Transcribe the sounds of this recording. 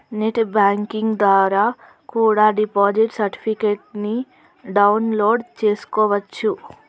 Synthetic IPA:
neʈbaːŋkiŋɡd̪ʋaːɾaː | kuːɽaːɖipoːd͡ʒiʈsɐɾʈi̥pʰikeːʈ̚ni | ɖɐwnloːɖt͡ʃe̞ːsu̥kɔːʋɐt͡ʃːu

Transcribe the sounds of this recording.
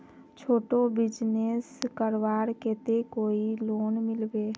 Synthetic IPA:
t͡ʃʰoːʈobɪd͡ʒneskəɾwaːɾkeːt̪ekoːiloːnmɪlbeː

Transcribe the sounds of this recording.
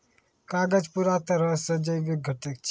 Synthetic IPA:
kaːɡəd͡ʒpuɾat̪ɐɾə̃sɐd͡ʒəjʋɪɡʱəʈək̚t͡ʃʰ

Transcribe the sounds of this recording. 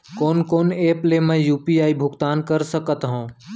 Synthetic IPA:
koːnkoːneːplemə̃juːpiaːibʱʊɡt̪aːnkəɾsəkət̪ɦõː

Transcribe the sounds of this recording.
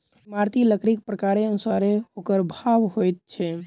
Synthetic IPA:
maɾt̪iləkɾik̚pɾəkaɾeənusaɾeokəɾbʱabɦojt̪̚t͡ʃʰɛ

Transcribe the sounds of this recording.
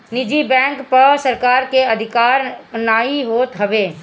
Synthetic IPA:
nɪd͡ʒibɛ̃ːŋkpɐɾsɐɾkaːɾkeɐd̪ʱɪkaːɾnaːiɦoːt̪ɦɐʋeː

